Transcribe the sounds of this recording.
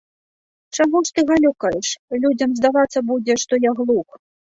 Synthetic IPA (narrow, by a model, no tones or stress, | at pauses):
t͡ʂaɣɔʂt̪ɨɣalʲukɐjɛʂlʲud͡zʲɐmzd̪avat̪sːɐbud͡zʲɛʂt̪ɔjaɣlˠuk